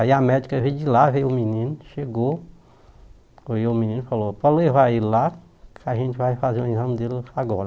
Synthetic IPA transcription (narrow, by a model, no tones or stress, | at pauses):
aiamɛd͡ʒikɐvejd͡ʒilavejʊminĩnʊʃeɡo | iʊminĩnʊfalopɔlevaila | kʰaʒẽt͡ʃɪvajfazeũezɐ̃md̪elaɡɔɾ